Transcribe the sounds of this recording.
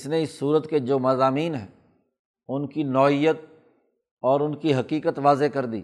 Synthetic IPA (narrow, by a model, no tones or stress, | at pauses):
sneɪsːuːɾət̪ked͡ʒoːmɐzaːmiːnɦɛ̰ː | ʊnkinɔːijət̪̚ | ɔːɾʊnkiɦɐqiːkət̪ʋaːzekɐɾd̪ḭː